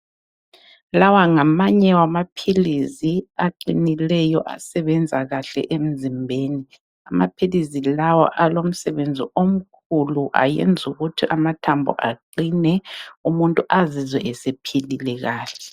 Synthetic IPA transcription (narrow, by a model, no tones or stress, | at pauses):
lawaŋamaɲɛwamapʰilisiaǃinilɛjɔʔa̰sɛβɛnd͡zʱaɣaɬɛ̰ʔem̩zimbʱeːni | amapʰilizilawa̰ʔalom̩sɛβend͡zʱiom̩kʰuluʔa̰jḛnd͡zʱuɣutʰiʔamatʰambʱɔ̰ʔa̰ǃinɛumuntʼuʔazizwɛʔɛsepʰililɛɣaːɬɛ